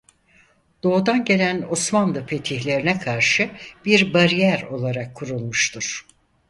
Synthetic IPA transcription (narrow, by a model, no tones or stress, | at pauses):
d̪̥o̞ːd̪anɟe̞lʲæno̞smand̪ˠɯfʰe̞t̪ʰiçlʲe̞ɾinɛkʰaɾʃɯb̥iɾbaɾijæɾo̞lˠaɾakʰːuɾulˠmuʃt̪ʰuɾ̥